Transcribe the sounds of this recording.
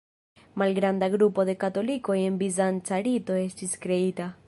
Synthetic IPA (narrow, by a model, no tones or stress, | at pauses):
malɡɾand̪aɣɾupoðekat̪olikojembizant͡ʃaɾit̪oest̪iskɾeit̪a